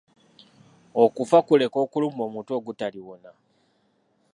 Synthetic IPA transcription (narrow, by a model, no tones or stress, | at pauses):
okufakule̞ko̞ːkulumo̞ːmuːntuo̞ɡutaliwona